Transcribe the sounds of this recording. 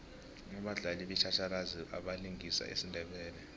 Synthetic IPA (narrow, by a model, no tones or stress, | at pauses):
nɔɓaɮaliɓit͡ʃʰat͡ʃʰalaziʔaɓaliŋʱisa̰ʔḛsindʱɛɓɛːlɛ